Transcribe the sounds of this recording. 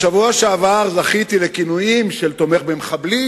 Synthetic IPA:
ʃavuaʃeavaʁzaχit̪ilekinujimʃe̞lt̪o̞me̞χbemeχabli

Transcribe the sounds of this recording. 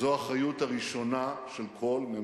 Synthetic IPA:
oaχajutaʁiʃo̞naʃelkʰo̞lme

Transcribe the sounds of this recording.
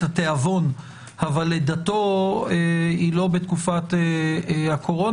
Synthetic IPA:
ateavo̞n | havaled̪ato̞eilo̞bet̪kufat̪ehakʰo̞ʁo̞

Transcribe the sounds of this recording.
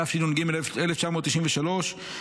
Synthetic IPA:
afʃinonɡimeleft͡ʃamo̞ːt̪ːiʃiɱveʃalo̞ʃ

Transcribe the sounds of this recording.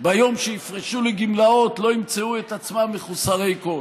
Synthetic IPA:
bajo̞mʃeifʁeʃuleɡimlao̞t̪lo̞imt͡seuet̪at͡smamːeχusaʁejko

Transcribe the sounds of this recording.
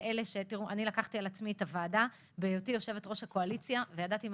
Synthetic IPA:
ʔele̞ʃe̞tiʁuʔanilakaχtialat͡smietavaːda | beːjotijo̞ʃe̞vetʁo̞ʃhako̞alit͡sjavejadatim

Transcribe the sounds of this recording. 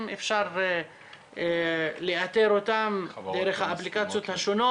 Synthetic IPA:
mefʃaʁ | leat̪eɾot̪amd̪eɾeχhaːplikat͡sjo̞t̪haʃono

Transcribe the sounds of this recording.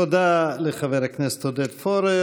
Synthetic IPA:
od̪aleχavɛɾhaknɛsə̥t̪hod̪ɛt̪fɔɾe

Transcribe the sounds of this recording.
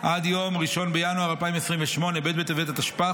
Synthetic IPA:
ʔad̪jo̞mʁiʃo̞nbejanuaʁalpaimesʁimveʃmo̞ne̞bet̪̚bet̪evet̪at̪aʃpa

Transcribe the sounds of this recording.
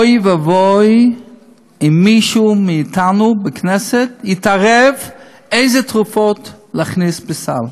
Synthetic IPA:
jvavoɪ | ɪmːiʃumɪːtʰanubɪknɛsɛtjɪtaʁɛv | eɪzɛtʁʊfɔtlaχnisbɪsa̰l

